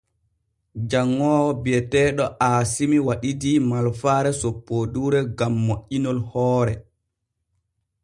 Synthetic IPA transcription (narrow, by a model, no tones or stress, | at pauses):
d͡ʒaŋːɔːwɔbɛtɛːɗɔʔaːsimiwaɗidimalfaːɾɛsopːoduːɾɛɡamːoʔːinɔlhɔːɾɛ